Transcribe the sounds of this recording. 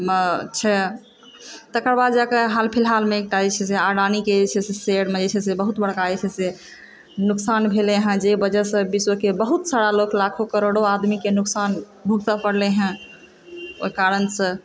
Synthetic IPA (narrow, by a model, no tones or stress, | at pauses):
mət͡ʃʰɛ | t̪əkəɾbad̪d͡ʒakeɦalpʰilɦalmeek̚ʈad͡ʒet͡ʃʰɛseaɽaniked͡ʒet͡ʃʰɛseseɽmed͡ʒet͡ʃʰɛsebəɦut̪bəɽkaɛt͡ʃʰɛse | nuksanbʱeleɦə̃d͡ʒebəd͡ʒɛsə̃biswokebəɦut̪saɾaloklakʰokəɾoɽoad̪mikenuksan | bʱuɡ̚t̪əpəɽleɦɛ̃ | o̰ikaɾənsə̃